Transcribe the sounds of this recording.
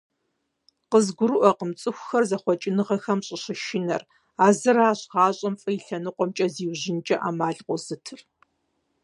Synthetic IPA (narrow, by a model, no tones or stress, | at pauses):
qəzɡʷʊɾɨʔɐqəmt͡sʼɨxʷxɐrzɐχʷɔt͡ʃʼɪnɨʁɐxɐmɕʼɪɕɪʃɪnɐ̰r | aːzɨraːɕʁaːɕʼɐmfʼɐjɪɬɐnɨqʷɔmt͡ʃʼɐziːwʑɪnt͡ʃʼɐʔa̰ːmaːɮqʷɔzɨtʰɨr